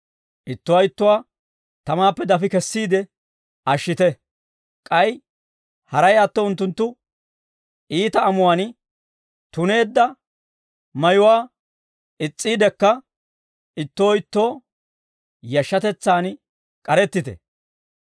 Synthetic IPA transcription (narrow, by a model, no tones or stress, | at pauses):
ʔɪt̪ːʊwaːɪt̪ːʊwaː | t̪ɐmaːpːɛd̪ɐfɪkɛsːiːd̪ɛ | ʔɐʃːɪt̪ɛ | kʼɐj | hɐɾɐjɐt̪ːoʊnt̪ːʊnt̪ːʊ | ʔiːt̪ɐːmʊwaːn | t̪ʊne̞ːd̪ːɐ | mɐjʊwaː | ɪt͡sʼːiːd̪ɛkːɐ | ɪt̪ːo̞ːɪt̪ːo̞ː | jɐʃːɐt̪ɛt͡sːaːn | kʼɐɾɛt̪ːɪt̪ɛ̰